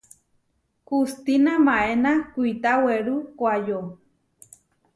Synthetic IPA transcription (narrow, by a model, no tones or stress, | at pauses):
kust̪inamãʔenakuit̪aweɾukʷajo